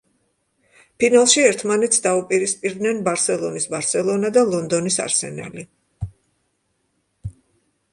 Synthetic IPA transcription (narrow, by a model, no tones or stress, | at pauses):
pʰinalˠʃiɛɾt̪ʰmanɛt̪sʰd̪aupʼiɾispʼiɾd̪nɛnbaɾsɛlˠɔnisbaɾsɛlˠɔnad̪alˠɔnd̪ɔnisa̰ɾsɛ̰na̰li